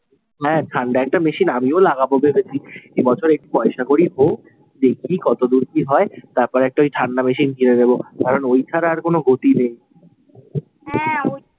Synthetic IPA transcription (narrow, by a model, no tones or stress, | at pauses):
ɦɛ̃ʈʰaɳɖaɛk̚ʈameʃinamiolaɡabobebʱet̪ɾiebɔt͡ɕʰoɾek̚ʈipɔeʃakoɾiɦo | d͡ʒekʰikɔt̪od̪uɾkiɦɔet̪aɾpɔɾɛk̚ʈaojʈʰaɳɖameʃinkiɾed̪ebokaɾonojt͡ɕʰaɾaːɾkonoɡʱot̪inej